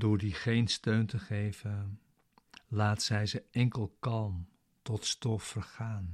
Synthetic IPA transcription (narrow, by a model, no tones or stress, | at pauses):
dʊːɹdiχejnstøɥntəχejvən | laːtəsɛjzəʔɛŋkəlˠkɑlˠm | tɔtstɔfərχaːn